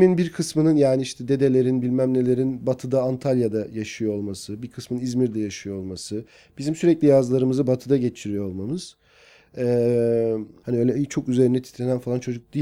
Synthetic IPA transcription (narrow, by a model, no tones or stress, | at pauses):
minbiɾkʰɯsmɯnɯnjaːniiʃt̪ʰɛd̪e̞d̪elʲe̞ɾinbilʲmæmnʲelʲe̞ɾinbat̪ʰɯd̪aːnt̪ʰalʲjad̪ajaʃɯjoolˠmasɯbiɾkʰɯsmɯnizmiɾd̪ɛjaʃɯjoo̞lˠmasɯ | b̥izimsyɾɛclʲijazlˠaɾɯmɯzɯbat̪ʰɯd̪aɟe̞t͡ʃʰiɾijoolˠmamɯz̥ | ɛː | haniøjlʲɛt͡ʃʰo̞kyze̞ɾind̪ɛt̪ʰi̥t̪ʰlʲenænfalˠant͡ʃʰo̞d͡ʒuk̚d̪i